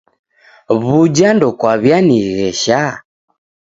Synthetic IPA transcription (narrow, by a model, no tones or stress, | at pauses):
βud͡ʒandɔkwaβjaniɣɛʃa